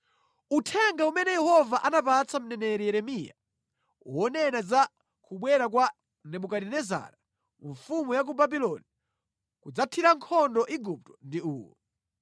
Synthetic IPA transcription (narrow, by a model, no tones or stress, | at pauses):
utʰɛŋɡaumɛnɛjɛhɔvaʔanapat͡sʰam̩nɛnɛɾijɛɾɛmija̰ | uwɔnɛnaza | kuɓwɛɾak̬wa | nɛmukaɗinɛza̰ɾa | ɱfumujak̬ubabilɔni | kud͡zatʰiɾaŋkʰɔndɔʔiɡup̚tɔ̥ndiuːwɔ̰